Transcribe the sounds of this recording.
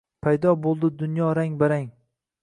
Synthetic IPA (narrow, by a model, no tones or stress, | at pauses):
pʰajd̪ɒbolˠd̪ɪd̪ʊnjɒɾaŋbaɾaŋ